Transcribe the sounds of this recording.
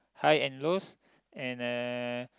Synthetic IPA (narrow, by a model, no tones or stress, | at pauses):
hajɛ̃nlos | ɛ̃nə